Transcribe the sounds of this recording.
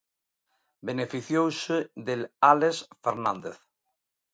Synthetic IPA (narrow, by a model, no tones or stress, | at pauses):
benefiθjowseðelalesfeɾnãnd̪eθ